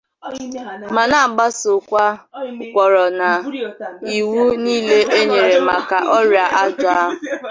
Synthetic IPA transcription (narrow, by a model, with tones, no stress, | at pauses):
ma˨na˦˨ɡ͡ba˦so˨kʷa˦˨kʷɔ˨ɾɔ˨na˨ | i˨wu˦niː˦le˦ʔe˦ɲe˨ɾe˨ma˨ka˨ʔɔ˦ɾja˨ʔa˦d͡ʒʊ˨a˦ɦʊ˨